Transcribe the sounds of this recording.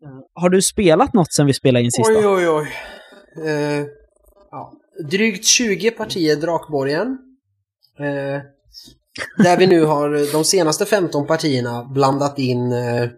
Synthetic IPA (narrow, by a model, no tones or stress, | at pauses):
haɖɵspeːlat̪nɔt̪ːsɛnvɪspeːlaɾɪnsɪjɔjɔj | ɑ̰ː | d̪ɾyːkt̪ɕʉ̟ːɡəpʰaʈʰiːəɖ̪ɾɑːkbɔɾjən | d̪æɾvɪnʉ̟ːɦaɾd̪ɔmseːnast̪əfɛmt̪ɔnpʰaʈʰiːəɳabland̪at̪ɪnː